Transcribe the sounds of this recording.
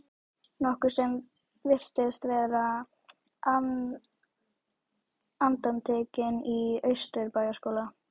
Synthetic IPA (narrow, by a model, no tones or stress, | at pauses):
nɔhkʏɾ̥sɛm | vɪr̥t̪ɪst̪vɛːɾa | a | ant̪amt̪ʰeːcɪniœɥst̪ʏɾpaːjaskoːwla